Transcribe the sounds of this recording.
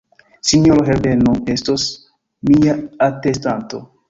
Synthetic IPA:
sinjoɾoɦevenue̞stos | miaatestanto̰

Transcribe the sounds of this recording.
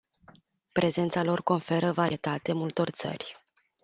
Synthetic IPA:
pɾʔe̞ze̞nt̪salo̞rko̞nfe̞ɾəvaɾiet̪at̪e̞mult̪o̞rt̪sə̰rʲ

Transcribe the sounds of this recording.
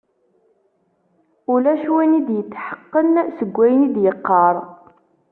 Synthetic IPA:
ulæʃwænid̪jət͡sːħə̥qːənsəɡʷːæjənid̪jəqːɑɾˤ

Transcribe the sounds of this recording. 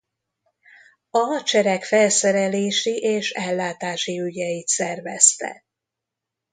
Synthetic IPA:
ɒt͡ʃɛɾɛkfɛlsɛɾɛleːʃiʔeːʃɛlːaːt̪aːʃiyɟɛjit̪sɛrvɛst̪ɛ̰

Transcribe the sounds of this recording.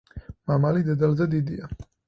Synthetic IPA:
mamalid̪ɛd̪alzɛd̪id̪ia

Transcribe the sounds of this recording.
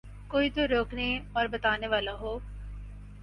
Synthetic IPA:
koːit̪oɾoːkneɔːɾbɐt̪aːneʋaːlaɦoː

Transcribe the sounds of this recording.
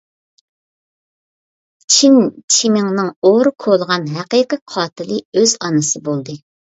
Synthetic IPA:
t͡ʃʰint͡ʃʰimɪŋnɨŋoɾɨkʰolˠʁɑnɦæqijqəqʰɑːt̪ʰɨlˠɨøz̥ɑnɨsɨbolˠd̪ɨ

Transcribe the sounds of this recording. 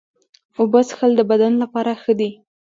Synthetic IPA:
obasxəld̪əbad̪anlapɑɾaxəd̪i

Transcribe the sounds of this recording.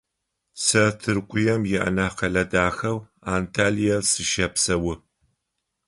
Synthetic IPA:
sɐtʰɨrqʷʊjɐmjɪʔɐ̰naːqɐɮɐdaːxɐw | aːntʰaːlijasɨʃɐpsɐwʊ

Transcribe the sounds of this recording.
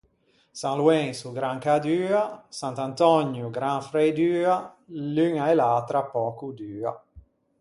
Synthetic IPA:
saŋluɛŋsuɡɾaŋkad̪yːasant̪ant̪ɔɲːjuɡɾaŋfɾɛjd̪yːa | lyŋaɛlaːt̪ɾapɔːkud̪yːa̰

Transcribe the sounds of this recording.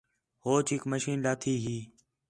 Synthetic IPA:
hoːt͡ʃʰiːkməʃiːnlaːt̪ʰiːɦiː

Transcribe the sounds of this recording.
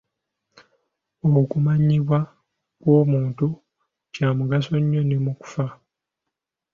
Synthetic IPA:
okumaɲiβwa | kwo̞ːmuːntu | caːmuɡaso̞ɲːo̞ne̞muku̥fa

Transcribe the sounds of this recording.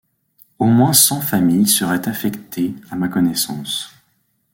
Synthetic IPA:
omwɛ̃sɑ̃famijsəʁɛt̪afɛkt̪ʰeamakɔnɛsɑ̃s

